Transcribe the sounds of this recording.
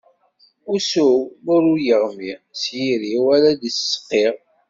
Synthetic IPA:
usumʊɾujəʁmisjiɾiaɾad̪issə̥qːiʁ

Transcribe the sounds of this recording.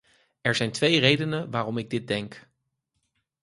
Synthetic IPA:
ɛɹzɛjntʋejrejdənəʋaːrɔmɪɡ̚dɪd̚dɛŋk

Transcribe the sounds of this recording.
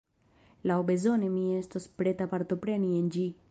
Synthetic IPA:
lawbe̞zo̞ne̞mie̞stospɾe̞t̪apaɾt̪o̞pɾe̞niend͡ʒi

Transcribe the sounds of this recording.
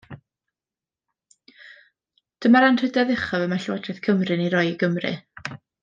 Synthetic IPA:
d̥əmaɾanr̥ɨdɛðɪχɔvɛmaɬwadrɨθkʰəmrɨniɾɔjəɡəmrɨ̰

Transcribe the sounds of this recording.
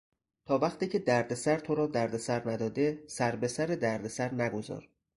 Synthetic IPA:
t̪ʰɒːvæχt̪iːcʰe̞d̪æɾd̪esæɾt̪ʰo̞ɾɒːd̪æɾd̪esæɾnæd̪ɒːd̪e̞sæɾbe̞sæɾed̪æɾd̪esæɾnæɡo̞zɒ̰ːɾ

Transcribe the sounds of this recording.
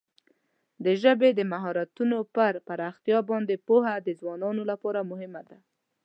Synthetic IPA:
d̪əʒəbed̪əmaɦɑɾat̪unopəɾpaɾaxt̪jɑbɑnd̪epoɦad̪əzwɑnɑnolapɑɾamʊɦɪmad̪a

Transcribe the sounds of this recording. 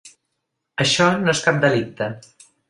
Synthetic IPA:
əʃɔnoeskap̚d̪əlik̚t̪ə

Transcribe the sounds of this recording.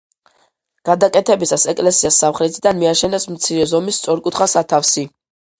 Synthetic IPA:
ɡ̥ad̪akʼɛt̪ʰɛbisasɛkʼlɛsiasːamχɾɛt̪ʰid̪anmiaʃɛnɛsmt̪sʰiɾɛzɔmist̪sʼɔɾkʼut̪ʰχasat̪ʰafsi

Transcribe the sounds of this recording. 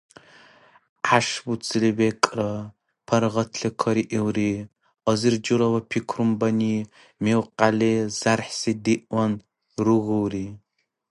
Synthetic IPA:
ʔaʂbut͡sʼʰɨlibekʼrɐ | pʰɐɾʁɐtʰɬɨkʰɐɾiʔiwriː | ɐzɨrd͡ʒɨɾɐwɐpʰikʷʰrumbɐniː | mewqalez̥arħsidiʔʷɐn | ruɣɨwriː

